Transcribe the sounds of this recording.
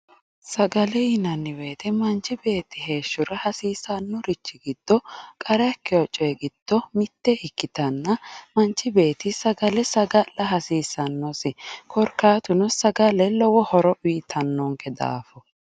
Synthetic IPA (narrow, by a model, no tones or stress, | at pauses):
sɐɡɐlɛjɪnɐnːɪweːt̪ɛmɐnt͡ʃːɪbe̞ːt̪ːɪɦe̞ːʃːʊɾɐhɐsiːsɐnːɔɾɪt͡ʃːɪɡɪd̪̥ːɔkʼɐɾɛɐkːɪɔt͡ʃʼːɔɡɪd̪̥ːɔmɪt̪ːɛʔɪkːɪt̪ɐnːɐmɐnt͡ʃːɪbe̞ːt̪ɪsɐɡɐlɛsɐɡɐlːɐɦɐsiːsɐnːɔsɪkʰɔɾkːaːt̪ʊnɔsɐɡɐlɛlɔwɔhɔɾɔʔiːt̪ʰːɐnːɔŋkɛd̪a̰ːfɔ